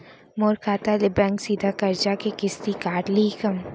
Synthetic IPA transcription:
moːɾkʰaːt̪alɪbɛ̃ŋksiːd̪ʱakɐɾd͡ʒakekɪst̪ikaːʈliːkɐm

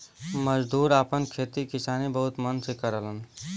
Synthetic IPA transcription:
məd͡ʒd̪ʱuɾapənkʰet̪ikisanibəɦut̪mənsekəɾələn

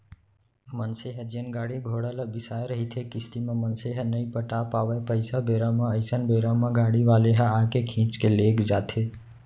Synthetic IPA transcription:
mənseɦəd͡ʒənɡaːɽiɡʱoɽələbɪsajɾəɦit̪ʰekɪst̪imẽmənseɦənəipəʈapaʋepəɪsabʱeɾamãəɪsənbʱeɾamãɡaːɽiʋaleɦə̃ãkekʰĩːt͡ʃkelekd͡ʒaːt̪ʰe

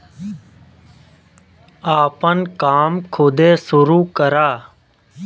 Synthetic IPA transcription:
aːpənkaːmkʰoːd̪eːsʊɾuːkəɾaː

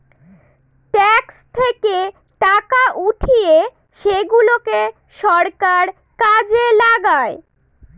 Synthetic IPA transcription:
ʈɛkst̪ʰeke | ʈakaʔuʈʰie | ʃeɡuloke | ʃɔɾkaɾ | kad͡ʑelaɡae

